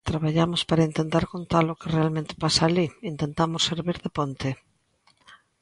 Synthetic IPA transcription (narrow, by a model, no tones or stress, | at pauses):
t̪ɾaβaʎamospaɾaint̪ent̪aɾkont̪alokɪrealmẽnt̪ɪ̥pasaːliint̪ẽnt̪amosːeɾβiɾðepont̪ɪ